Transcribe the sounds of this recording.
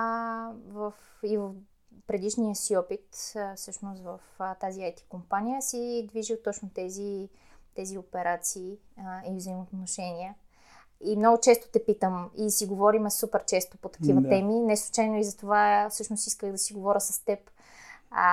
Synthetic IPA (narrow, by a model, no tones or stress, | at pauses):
vəfivəf | pɾɛd̪iʃnijəsiɔpit̪fsɤʃnost̪vəft̪aziajt̪i̥kompanʲijəsid̪viʒilˠt̪ɔt͡ʃnot̪ɛzit̪ɛziopɛɾat̪siːivzəimot̪noʃɛniɛ | imnoɡʊt͡ʃɛst̪ʊ̥t̪ɛpit̪əmisiɡovɔɾimɛsupɛɾt͡ʃɛst̪opot̪ɐ̥kivət̪ɛminɛslˠut͡ʃajnoizɐt̪ovafsɤʃnosiskəɣd̪ɐsiɡovɔɾʲəsɐst̪ɛp